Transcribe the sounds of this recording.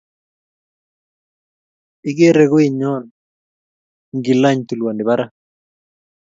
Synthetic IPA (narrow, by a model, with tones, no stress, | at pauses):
i˦ɡe˦ɾe˨ɡʊ˦i˨ɲɔ˦˨n | ŋɡi˨la˦ɲt̪u˨lwa˨ndɪ˨ba˦ɾa˦